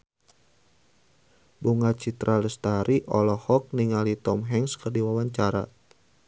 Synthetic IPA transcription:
buŋat͡ʃit̪ɾʔaləst̪aɾʔiʔɔlɔhɔk̚niŋalit̪ɔmɦɛŋskərdiwawaɲt͡ʃaɾa̰

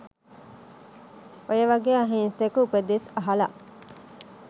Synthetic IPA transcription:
ojəʋɐɡeaɦẽːnsekuped̪esɐɦɐlɐʔ

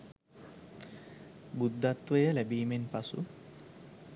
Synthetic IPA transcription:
bud̪ːat̪ːʋəjəlæbiːmenpasṵ

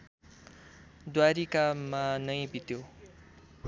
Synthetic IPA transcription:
d̪waɾikamanʌj̃bit̪jo

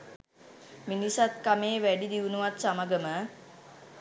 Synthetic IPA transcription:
minisat̪̚kameːʋæɖid̪iʋunuʋat̪samaɡəmə

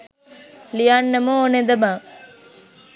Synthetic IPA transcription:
lijanːɐmuoned̪ɐmaːŋ

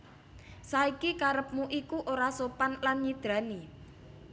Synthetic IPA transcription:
saikikaɾəp̚muʔikuʔoɾasopanlanɲid̪̥ɾa̤ni

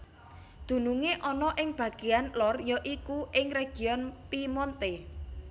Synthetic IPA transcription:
d̪̥ṳnuŋeʔɔnɔʔɪŋb̥ä̤ɡ̥eanlɔrjɔʔikuʔɪŋreɡ̥i̤ɔnpimɔnt̪e

